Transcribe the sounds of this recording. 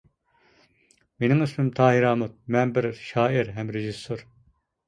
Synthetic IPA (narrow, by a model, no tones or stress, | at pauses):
menɪŋɪsmɪmt̪ʰɑːɦiɾɑːmut̪̚mɛnbɪɾʃɑːɪɾɦɛmɾeʒisːoɾ